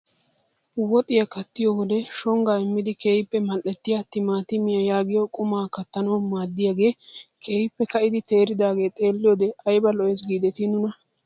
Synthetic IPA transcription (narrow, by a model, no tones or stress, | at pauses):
wɔt̪ʼɪjɐkɐt̪ːɪjowɔd̪ɛʃɔŋɡaːɪmːɪd̪ɪke̞ːjɪpːɛmɐlʔɛt̪ːɪjat̪ːɪmaːt̪ɪmɪjɐjaːɡɪjokʼʊmaːkɐt̪ːɐnɐwmaːd̪ːɪjaːɡe̞ːkʰe̞ːjɪpːɛkɐʔɪd̪ɪt̪e̞ːɾɪd̪aːɡe̞ːt̪ʼe̞ːlːɪjoːd̪ɛɐjbɐlɔjɛs̬ɡiːd̪ɛt̪ɪnʊnɐ